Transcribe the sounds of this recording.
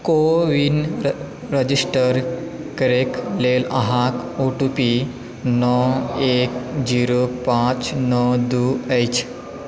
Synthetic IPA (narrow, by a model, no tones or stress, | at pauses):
koʋin | ɾəd͡ʑisʈəɾ | kəɾeklelaɦakoʈupi | nɔekd͡ʑiɾopãt͡ɕnɔd̪uejt͡ɕ